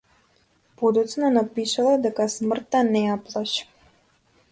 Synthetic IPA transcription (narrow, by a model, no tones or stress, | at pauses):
pod̪ɔt̪snanapiʃalˠad̪ɛkasmrt̪ːanɛjaplˠaʃ